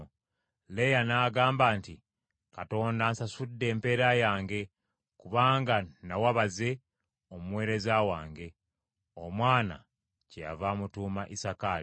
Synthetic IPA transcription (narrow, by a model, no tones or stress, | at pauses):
lejanaːɡaːmbaːnti | kato̞ːndansasudːe̞ːmpe̞ɾajaːŋɡe̞ | kuβaːŋɡanawaβaze̞ | omwe̞ːɾe̞zawa̰ːŋɡe̞ | omwaːna̰ | cea̰vamutuːmaʔisakaːli